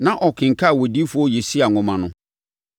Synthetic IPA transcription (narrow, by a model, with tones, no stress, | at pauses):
nã˦ʔɔ˨kʰɪ̃˨ŋ̩˨kʰa˦˨wɔ˨di˦fʊ˦ɔ˦je˨si˦a˨ŋʊ̃˨mã˨nʊ̃˨˦